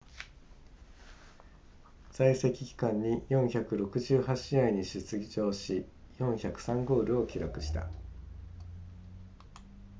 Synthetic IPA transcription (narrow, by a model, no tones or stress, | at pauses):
z̥aise̞kʲi̥kʲi̥kãɲ̟ːijõ̞ɰ̃çakɯ̟ɾo̞kɯ̟ʑɨːɦat͡ɕiaiɲ̟iɕɨt͡sɨɡʲt͡ɕo̞ːɕi | jõ̞ɰ̃çakɯ̟̥sãŋɡo̞ːɾɯ̟o̞kʲiɾakɯ̟̥ɕi̥t̪a̰